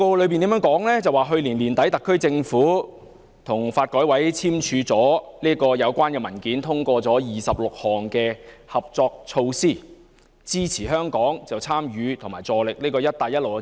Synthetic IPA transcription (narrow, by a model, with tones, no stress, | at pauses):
koː˧lɵ˨˧ɥpiː˨nt̪iː˨˥mœː˨˥ŋkɔː˨˥ŋlɛː˥t͡sɐ˨˩waː˨˩ɦɵ˧ɥliː˨˩nliː˨˩nt̪ɐ˨˥jt̪ɐ˨kʰːɵ˥ɥt͡sɪ˧ŋfuː˨˥ | t̪ʰʊ˨˩ŋfaː˧t̚kɔː˨˥jwɐ˨˥jt͡sʰiː˥mt͡ʃʰyː˨˧t͡sɔː˨˥liː˥kɔː˧jɐ˨˧wkʷwaː˥nkɛː˧mɐ˨˩nkiː˨˥nt̪ʰʊ˥ŋkʷɔː˧t͡sɔː˨˥jiː˨˩sɐ˨p̚lʊ˨k̚hɔː˨˩ŋkɛː˧hɐ˨p̚t͡sɔː˧k̚t͡sʰo˧wsiː˥˩ | t͡siː˥t͡sʰiː˨˩ɦœː˥ŋkɔː˨˥ŋt͡sɐ˨˩wt͡sʰaː˥mjyː˨˧t̪ʰʊ˨˩maː˨˩jt͡sɔː˨˩lɪ˨k̚niː˥kɔː˧jɐ˥t̚t̪aː˨˩jɐ˥lo˨w